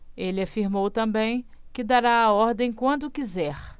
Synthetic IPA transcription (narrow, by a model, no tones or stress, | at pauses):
elɪafiɾmowt̪ɐ̃bẽj̃kɪd̪aɾaːɔɾd̪ẽj̃kwɐ̃nd̪ʊkizɛɾ